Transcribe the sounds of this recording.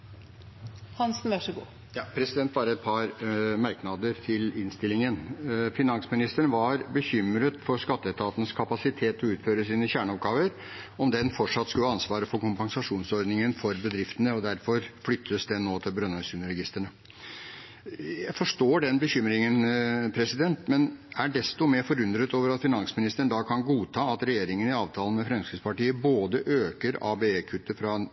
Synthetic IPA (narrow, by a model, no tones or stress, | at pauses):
hɑnsnʋæʂəɡṵː | jɑːpʰɾɛsɪd̪ɛnt̪̚bɑːɾəɛt̪̚pʰɑɾmɑɾknɑd̪əɾt̪ʰɪlɪnst̪ɪlːɪŋənfɪnɑnsmɪnɪst̪əɳʋɑɾbəçʏmɾət̪fɔʂkɑt̪ːəɛt̪ʰɑːt̪ənəskʰɑpɑsɪt̪ʰeːt̪ɔʉːt̪føːɾəsiːnəçæːɳəɔpɡɑːʋəɾ | ɔmd̪ɛnfɔʈʂɑt̪ːskʉləɑnsʋɑːɾəfɔɾkʊmpɑŋsɑʂuːnsɔɾd̪nɪŋənfɔɾbəd̪ɾɪft̪ənəɔd̪æɾfɔɾflʏt̪ʰːəsd̪ɛnoːt̪ʰɪlbɾœnœsʉnəɾɛɡɪst̪əɳə | jæɪfɔʂʈoːɖɛnbəçʏmɾɪŋənpʰɾɛsɪd̪ɛnt̪mɛnæɖɛst̪ɔmeːfɔɾʉnd̪ɾət̪oːʋəɾɑt̪fɪnɑnsmɪnɪst̪əɳd̪ɑːkʰɑnɡuːt̪ʰɑːɑt̪ɾɛjeːɾɪŋənɪɑːʋt̪ʰɑːlənmɛfɾɛmskəspɑʈiːəboːd̪əʔøːkəɾɑ̰ːbeeːkʰʉt̪ːəfɾɑ